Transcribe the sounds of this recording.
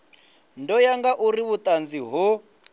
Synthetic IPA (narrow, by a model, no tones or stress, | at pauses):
ndɔjaŋɡaʔuriβut̪ʼand͡ziɦu